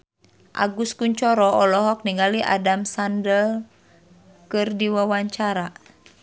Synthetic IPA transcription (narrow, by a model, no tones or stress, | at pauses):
ʔa̰ɡuskuɲt͡ʃɔɾɔʔɔlɔɦɔk̚niŋaliʔa̰damsandəl | kɨrdiwawaɲt͡ʃaɾa